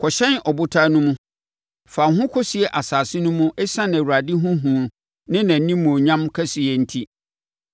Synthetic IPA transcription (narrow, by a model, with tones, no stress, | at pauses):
kʰɔ˨ɕɛ̃˦nɔ˨bʊ˦tʰaː˦nʊ̃˦mũ˦ | fa˨ɦʊ̃˦kʰɔ˦si˨ɛ˨ʔa˨saː˨sɪ˦nʊ̃˦mũ˦ʔɛ˦sã˦nɛ̃˨wu˨ɾa˨dɪ˦ɦʊ̃˦ɦũ˨˦ | nɪ̃˦nã˨˦nĩ˦mũ˨o˨ɲã˦mkʰɛ˦si˨ɛ˨n̩˦tʰi˦